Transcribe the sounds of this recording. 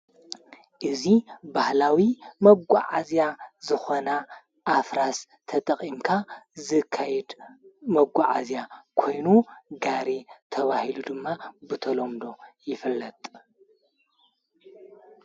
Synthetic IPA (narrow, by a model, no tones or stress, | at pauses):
ʔɨzibahlawimɐɡʷaʕazjazɨxo̞na | ʔːfɾas | t̪ʰɐt̪ʼɐχʼimkʰazɨkʰːajɛd̪mɐɡʷaʕa̰zjakʰo̞jnuɡaɾit̪ʰɐβahilud̪ɨmːabɨt̪ʰɐlomd̪o̞jɪfɨlːɐt̪ʼ